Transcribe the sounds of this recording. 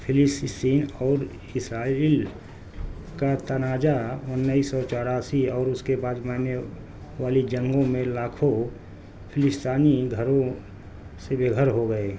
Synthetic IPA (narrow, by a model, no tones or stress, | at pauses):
pʰɪlɪst̪st̪iːnɔːɾ | ɪsɾaːiːl | kat̪ɐnaːd͡ʒaʊnnːəisɔt͡ʃɔːɾaːsiɔːɾʊskebaːd̪maːne | ʋaːlid͡ʒə̃ŋɡõmẽlaːkʰo | pʰɪlɪst̪aːniɡʱəɾõ | sebeɡʱəɾɦoɡəe